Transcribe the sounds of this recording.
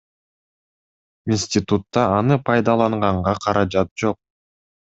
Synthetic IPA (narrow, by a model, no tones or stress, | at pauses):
insʲtʲit̪ut̪ːɑːnɯpʰɑjd̪ɑlˠɑɴʁɑɴʁɑqʰɑɾɑd͡ʒɑt̪̚d͡ʒo̞q̚